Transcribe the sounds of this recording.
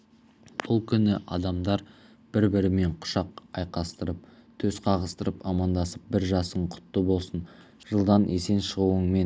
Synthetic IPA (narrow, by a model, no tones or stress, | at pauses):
b̥ʊlˠkʲʰʏnɪʔɑ̰d̪ɑmd̪ɑɾ | b̥ɪɾbɪɾɪme̞ɴqʰʊ̥ʃɑqɑjqɑst̪əɾəp̚t̪ʰɵzqʰɑʁəst̪əɾəpɑmɑnd̪ɑsəp̚bɪɾʒɑsəɴqʰʊ̥t̪ːəbo̞lˠsən | ʒ̥əlˠd̪ɑnʔese̞nʃəʁuəŋme̞n